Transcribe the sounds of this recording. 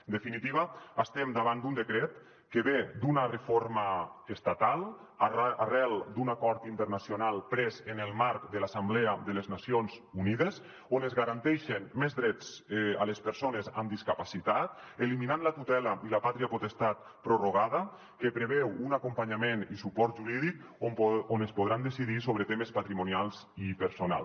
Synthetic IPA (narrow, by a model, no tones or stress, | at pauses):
ənd̪efinit̪iβ̞aast̪ɛmd̪aβand̪und̪ekɾɛt̪ | keβed̪unarefoɾmaest̪at̪alˠ | arɛlˠd̪unakɔɾt̪int̪əɾnasjonalˠpɾɛzenelˠmaɾkd̪əlasamblɛaðəleznasionzuniðez | onezɣaɾant̪ɛʃenmezðɾɛt͡sa̰ləspəɾsoneza̰md̪iskapasit̪at̪eliminanlət̪ut̪ɛlaʔiləpat̪ɾiapot̪est̪at̪̚ | pɾuroɣ̞aðə | kepɾeβɛwunakumpaɲamenisupɔɾt̪ʒuɾiðik̚ | onəspoðɾand̪esiðisoβɾət̪emespat̪ɾimunialˠz | ipəɾsona̰l